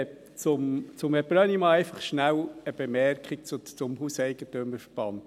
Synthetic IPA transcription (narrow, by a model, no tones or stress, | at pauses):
ɛp̚ | t͡sʊmt͡sʊmɛbɾœnimɑɛɪfɑχʃnæwəb̥emɛrkχik̚t͡sʊt͡sʊmhusɛɪɡ̥ətømːəɾfəɾb̥ɑnt